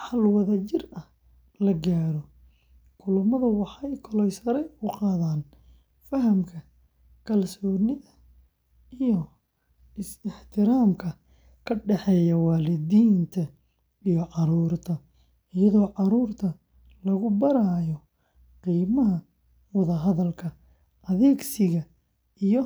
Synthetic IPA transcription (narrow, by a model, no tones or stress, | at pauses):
ħɑlwɐðɐt͡ʃɪrɐh | lɐɡaːɾɔ | kʰʊlʊmɐðɐwɑħɑjkʰɔlɛjsɐɾɛʊqɑːðaːn | fɐɦɐmkʰɐ | kʰɐlsɔːnɪðɐ | ɪjɔ | ɪsɪħt̪ʰɪɾaːmkʰɐ | kʰɐɖɛħɛːjɐwɑːlɪdiːnt̪ʰɐ | ijɔʕɑɾuːrt̪ʰɐ | ɪjɐðɔːʕɑɾuːrt̪ʰɐ | lɐɣʊbɐɾaːjɔ | qiːmɐɦɐ | wɑðɐɦɐðɐlkʰɐ | ɐðɛːɡsɪɣɐ | ijɔ